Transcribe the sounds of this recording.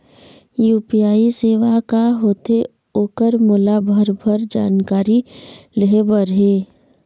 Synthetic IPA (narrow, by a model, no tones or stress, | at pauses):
juːpijaːiseːʋakaɦoːt̪e | oːkəɾmʊlabʱəɾbʱəɾd͡ʒa̰ːnkaːɾiləɦebəɾɦeː